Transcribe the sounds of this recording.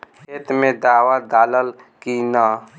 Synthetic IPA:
et̪mẽd̪aːwad̪aːləl | kina

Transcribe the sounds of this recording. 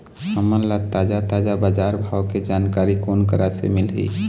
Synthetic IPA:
həmənlat̪aːd͡ʒat̪aːd͡ʒabaːd͡ʒaːɾbʱaːwked͡ʒaːnkaːɾikoːnkəɾasḛmɪlɦḭː

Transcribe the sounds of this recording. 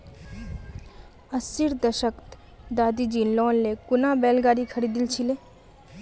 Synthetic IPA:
əsiɾd̪əʃəkt̪ | d̪aːd̪id͡ʒiːnlɔːnlekʊnabɛːlɡaːɾikʰɐɽid̪ilt͡ʃʰileː

